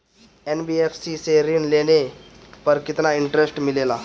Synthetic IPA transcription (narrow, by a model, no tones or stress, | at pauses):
enbiefsiseɾinlene | pəɾkit̪naiɳʈɾesʈmilela